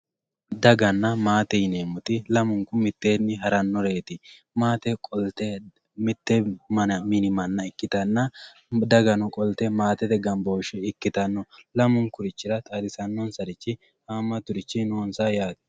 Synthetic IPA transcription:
d̪ɐɡɐnːɐmaːt̪ɛjneːmʊt̪ɪlɐmʊŋkʊmɪt̪ːeːnːɪɦɐɾɐnːɔɾeːt̪ɪ | maːt̪ɛkʼɔlt̪ɛ | mɪt̪ːɛɐmɪnɪmɐnːɐɪkːɪt̪ɐnːɐ | d̪ɐɡɐnɔkʼɔlt̪ɛmaːt̪ɛd̪ɛɡɐmboːʃɛɪkːɪt̪ɐnːɔlɐmʊŋkʊɾɪt͡ʃːɪɾɐt̪ʼad̪ɪsɐnːɔnsɐɾɪt͡ʃːɪ | haːmːɐt̪ʊɾɪt͡ʃːɪnoːnsaːjaːt̪

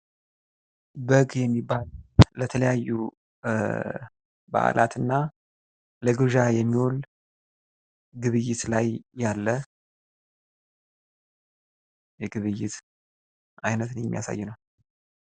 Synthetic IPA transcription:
bəɡjɛmːibːallət̪ʰələjajːu | ba̰ʔa̰lʔa̰t̪ɨnːa | ləɡɨʒajɛmːiwol | ɡɨβɨjːɪt̪lajːalːə | jɛɡɨβɨjːɪt̪ | ʔajnət̪nəjɛmːḭja̰sa̰jːɪnəw

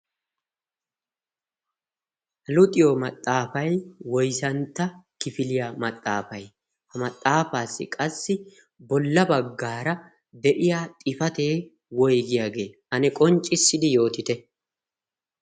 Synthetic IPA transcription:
ɐlʊt̪ʼɪjomɐt̪ʼːaːfɐjwɔjsɐnt̪ːɐkɪfɪlɪjamɐt̪ʼːa̰ːfɐj | hɐmɐt̪ʼːaːfaːsːɪ̰kʼɐsːɪ | bɔlːɐbɐɡːaːɾɐ | d̪ɛʔɪjaːt̪ʼɪfɐt̪e̞ː | wɔjɡɪjaːɡe̞ː | ɐnɛkʼɔnt͡ʃʼːɪsːɪd̪ɪjo̞ːt̪ɪt̪ɛ

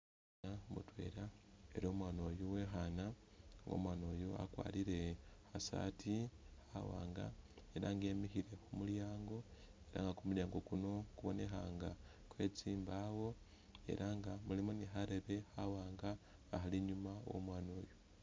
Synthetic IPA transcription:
amṵtwe̞̰ːɾae̞̰ɾo̞ːmwaːno̞juwe̞xanaŋɡo̰mwaːno̞ːjua̰kwa̰ːliɾe̞hasa̰tihawa̰ːŋɡa̰e̞ɾaŋɡe̞ːmixiɾe̞xumuljaːŋɡo̞ | e̞ɾa̰ŋɡakumuljaːŋɡo̞kuno̞kuβo̞ne̞xaŋɡa | kwe̞t͡siːmbawo̞ | e̞̰ɾʔaŋɡamulimoniɦaɾe̞βe̞hawaːŋɡaː | xaliɲumawo̰mwaːno̞ːju

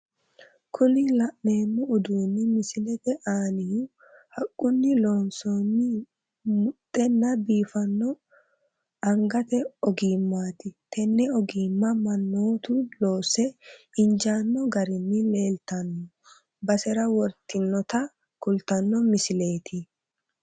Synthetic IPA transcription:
kʰʊlɪlɐʔne̞ːmːʊːd̪uːnːɪmɪsɪlɛt̪ɛʔaːnɪjʊ | hɐkʼːʊnːɪlo̞ːnsoːnːɪ | mʊt̪ʼːɛnːɐbiːfɐnːɔ | ɐŋɡɐt̪ɛɔɡiːmːaːt̪ɪt̪ɛnːɛɔɡiːmːɐmɐnːoːt̪ʊlo̞ːsɛɪnd͡ʒaːnːɔɡɐɾɪnːɪle̞ːlt̪ɐnːɔ | bɐsɛɾɐwɔɾt̪ɪnːɔt̪ɐ | kʊlt̪ɐnːɔmɪsɪle̞ːt̪ʰɪ

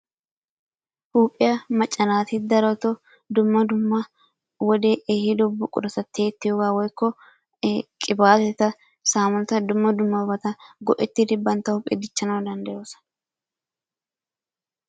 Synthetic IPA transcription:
huːpʼːɪjɐmɐt͡ʃʼːɐnaːt̪ɪd̪ɐɾɔt̪ɔ | d̪ʊmːɐd̪ʊmːɐ | wɔd̪eʔeːhɪd̪ɔbːʊkʼʊ̰ɾɐsɐt̪ːeːt̪ːɪjɔɡaːwɔjkːɔ | kʼɪbaːt̪ɛt̪ːɐ | saːmɔnt̪ɐd̪ʊmːɐd̪ʊmːɐwbɐt̪ɐɡɔʔɛt̪ːɪd̪ɪbɐnt̪ːɐhʊpʼɛ̰d̪ɪt͡ʃːɐnɐwd̪ɐnd̪ɐjo̞ːsɐ̥

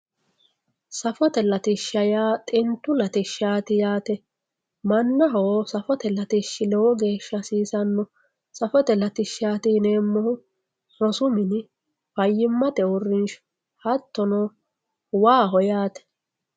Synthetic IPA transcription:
sɐfɔt̪ɛlɐt̪ɪʃːɐjaːt̪ʼɪnt̪ːʊlɐt̪ɪʃːaːt̪ɪjaːt̪ɛ | mɐnːɐɦoːsɐfɔt̪ɛlɐt̪ɪʃːɪlɛwɔɡe̞ːʃːɐsiːsɐnːɔ | sɐfɔt̪ɛlɐt̪ɪʃːaːt̪ɪneːmːɔhʊ | sɔsʊmɪn | fɐjːɪmːɐt̪ɛʊrɪnʃ | hɐt̪ːɔnɔ | waːɦɔjaːt̪ɛ̥

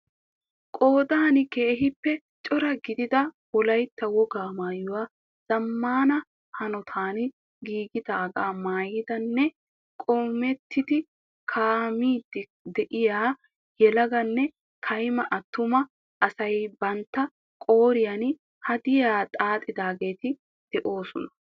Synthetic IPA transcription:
kʼo̞ːd̪aːnɪkeːɦɪpːɛ | t͡ʃʼɔɾɐɡɪd̪ɪd̪ɐwɔlɐjt̪ːɐwɔɡaːmaːjʊwaː | z̥ɐmːaːnɐ | hɐnɔt̪ʰaːn | ɡiːɡɪd̪ɐːɡaːmaːjɪd̪ɐnːɛ | kʼɔmɛt̪ʰːɪd̪ɪ | kʰaːmiːd̪ | d̪ɛʔɪjaː | jɛlɐɡɐnːɛ | kʰɐjmɐʔɐt̪ːʊmɐ | ʔɐsɐjbɐnt̪ːɐ | kʼo̞ːɾɪjan | hɐd̪ɪjaːt̪ʼaːt̪ʼːɪd̪aːɡe̞ːt̪ɪ | d̪̥ɛʔo̞ːsɔnɐ̥

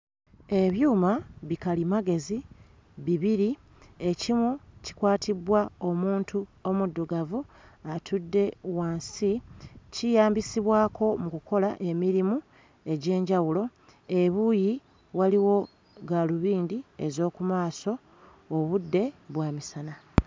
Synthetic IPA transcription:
e̞βjuːmaβikalimaɡe̞zi | βiβiɾi | e̞cimuci̥kwaːtʰibwao̞muːntuo̞mudːuɡavuatʰudːe̞waːnsicijaːmbisiβwaːkʰo̞mukuko̞laʔe̞miɾimu | e̞ɟe̞ːɲɟawulo̞ | e̞βuːji | waliwo̞ | ɡaluβiːndie̞zo̞ːkumaːso̞ː | βudːe̞βwaːmisana

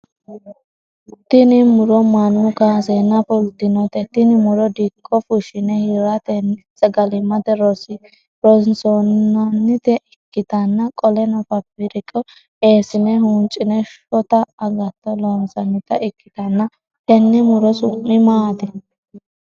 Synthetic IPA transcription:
t̪ɪnɪmʊɾɔmɐnːʊkaːsenːɐpʊlt̪ːɪnɔt̪ɛt̪ɪnɪmʊɾɔd̪ikʰʼːɔfʊʃɪnɛhɪɾɐt̪ɛn | sɛɡɐlɪmɐt̪ɛɾɔsɪ | ɾɔnsɔnɐnːɪt̪ɛʔɪkːɪt̪ɐnːɐkʼɔlɛnɔfɐfɪɾɪkʼɔ | eːsɪnɛɦunt͡ʃʼɪnɛʃɔt̪ɐːɡɐt̪ːɔlɔnsɐnːɪt̪ɐʔɪkːɪ̥t̪ɐnːɐ | t̪ɛnːɛmʊɾɔsʊmːɪmaːt̪ɛ

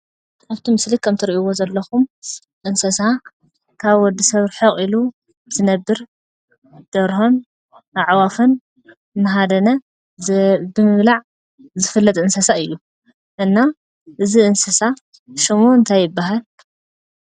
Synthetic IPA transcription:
aβt̪ʰimɨslikʰɐmt̪ʰɨɾiʔiwozɐlːɐxum | ʔɨnsɐsa | kʰaβwɔd̪ːisɐβɾħɐχʼilu | z̥ɨnɐbːɨɾ | d̪̥ɐɾho̞n | ʔaʕwafon | mɐɦad̪ɐnɐ | bɨmɨmlaʕ | zɨfɨlːɐt̪ʼɨnsɐsaɨjːu | ʔɨnːa | ʔɨziʔɨnsɐsa | ʃomoɨnt̪ʰajːɪbːaɦal

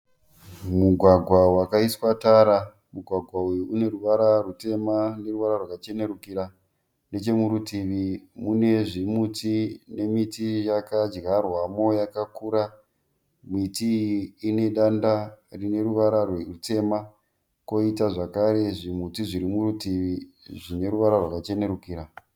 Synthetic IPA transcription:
muɡʱwaɡʱwawakaiswataɾa | muɡʱwaɡʱwaujuune̞ɾuʋaɾarute̞mane̞ruʋaɾarwakat͡ʃe̞ne̞ɾukiɾa | ne̞t͡ʃe̞muɾutiʋimune̞ʐimutine̞mitijakad͡ʒɡarwamo̞jakakuɾa | mitiːne̞ɗandarine̞ruʋaɾarwerute̞ma | ko̞itaʐakaɾe̞ʐimutiʐiɾimuɾutiʋi | ʐine̞ɾuʋaɾarwakat͡ʃe̞ne̞ɾukiːɾa

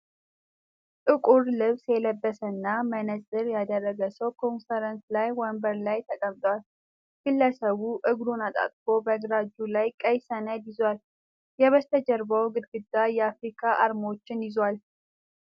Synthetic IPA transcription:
t̪ʼɨkʼuɾlɨβsjɛləbːəsənːamənəzʼɨɾjad̪ərːəɡəsəwkʰo̞nfəɾənslajwɔmbəɾlajt̪ʰəkʼəmt̪ʼwal | kɨlːəsəβuʔɨɡɾunat̪ʼa̰t̪ʼkʰo̞bəɡɾad͡ʒulajkʼəjsənəd̪jɪzwal | jɛβəst̪ʰəd͡ʒəɾbəwɡɨd̪ɡɨd̪ːajɛafɾikʰaʔaɾmo̞t͡ʃːɪnjɪzwal

